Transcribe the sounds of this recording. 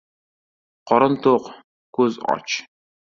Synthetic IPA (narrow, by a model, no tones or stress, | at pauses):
qɔɾənt̪oq | kʷuzɑ̰t͡ʃ